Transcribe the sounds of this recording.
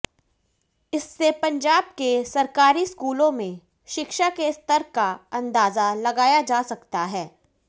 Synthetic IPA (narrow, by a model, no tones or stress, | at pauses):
ɪsːepɐ̃ɲd͡ʒaːb̚kesɐɾkaːɾiskuːlõmẽ | ʃɪkʃakest̪əɾkaɐ̃nd̪aːzalɐɡaːjad͡ʒaːsɐkt̪aɦɛː